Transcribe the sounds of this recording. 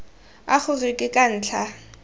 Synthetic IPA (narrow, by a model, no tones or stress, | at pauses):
a̰χʊrɪkʼɪkʼan̩ːt͡ɬʰa